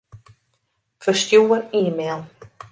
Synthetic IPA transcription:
fəstjuːəɾiːmɛlˠ

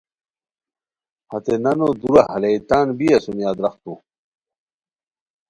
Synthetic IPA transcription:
hɐt̪enɐnod̪uɾahɐleit̪aːnbiɐsumjaːd̪ɾɐχt̪u

